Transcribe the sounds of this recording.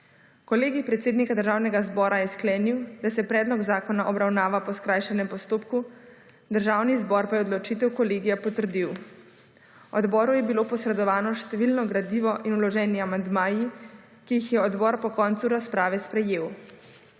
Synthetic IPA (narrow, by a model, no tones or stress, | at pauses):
kɔleːɡipɾɛt̪seːd̪nikad̪əɾʒaːwnɛɡazbɔːɾajɛsklɛːniwd̪asɛpɾɛːd̪lɔɡzaːkɔnaʔɔbɾawnaːʋapɔskɾaːjʃɛnɛmpɔst̪oːpku | d̪əɾʒaːwnizbɔɾpajɛod̪lɔt͡ʃit̪ɛwkɔleːɡijapɔt̪əɾd̪iw | ɔd̪bɔːɾujɛbiloːpɔsɾɛd̪ɔʋaːnɔʃt̪ɛʋilnɔɡɾad̪iːʋɔʔinulɔʒɛːniamand̪maːji | kijixjɛɔd̪bɔːɾpɔkɔnt̪suɾaspɾaːʋɛspɾɛjeːw